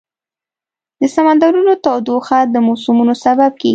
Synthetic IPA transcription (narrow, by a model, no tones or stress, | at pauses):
d̪̥əsamand̪ɑɾunot̪ɑwd̪oxad̪əmɑsumunosabab̚keɡi